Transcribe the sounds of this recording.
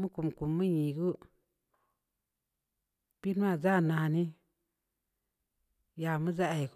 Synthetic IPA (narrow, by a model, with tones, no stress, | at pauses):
mɨ˦ku˨mku˨mɨ˦ɲĩ˨ɡu˦ | b̥i˦n˦a˦˨za˦˨nã˨a˨nĩ˦ | ja˨mɨ̃˦za˦˨i˨k